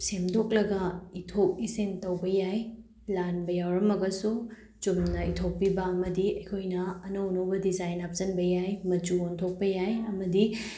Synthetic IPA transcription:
semdok̚lɐɡɐitʰop̚isentɐwbɐjaj | lanbɐjawɾɐmɐɡɐsu | d͡ʒumnɐitʰok̚pːibɐɐmɐdiɐjkʰojnɐːnɐwnɐwbɐdizajnap̚zɐnbɐjajmɐt͡ʃuontʰok̚pɐjajɐmɐdi

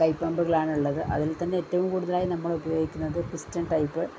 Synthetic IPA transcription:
kɐɪpːɐmbɐɣɐɭaːɳuɭːɐðɯʔɐ̰ðɪlt̪ɐnːeːtːɐʋɯmkuːɽuðɐlaːjinɐmːɐɭubɐjoːɡikʲːunːɐðɨkɾɪstɐnʈɐɪpːɨ

